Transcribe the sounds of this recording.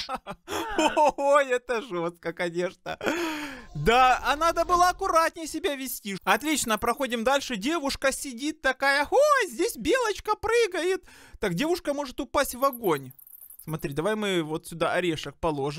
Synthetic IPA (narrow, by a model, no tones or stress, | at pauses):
oojɛt̪əʐost̪̚kəkɐnʲe̞ʂnə̰ | d̪aɐnad̪əbɨlˠəɐkʊɾat̪ʲnʲɪjsʲɪbʲavʲɪsʲtʲiɐt̪lʲit͡ɕnəpɾɐxo̞dʲɪmd̪alʲʂɨdʲe̞vʊʂkəsʲɪdʲit̪ːɐkajəhojzʲdʲesʲbʲe̞lˠət͡ɕkəpɾɨɡəjɪt̪ːakdʲe̞vʊʂkəmo̞ʐɨt̪ʊpasʲtʲvɐɡonʲ | smɐt̪ɾʲid̪ɐvajmɨvo̞t̪sʲʊd̪aʔɐɾʲeʂək̚pɐlˠoʐɨm